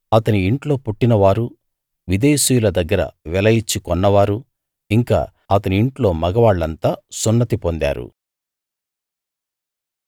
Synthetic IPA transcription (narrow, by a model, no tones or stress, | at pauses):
ɐt̪ɐniiɳʈlo̞ːpuʈːinɐʋaːɾu | ʋid̪eːsujulɐd̪ɐɡːɐɾɐ̰ʋɛlɐjit͡ʃːikɔnːɐʋaːɾu | iŋka̰ː | ɐt̪ɐniiɳʈlo̞ːmɐɡɐʋaːɭːɐnt̪aːsunːɐt̪ipond̪a̰ːɾṵ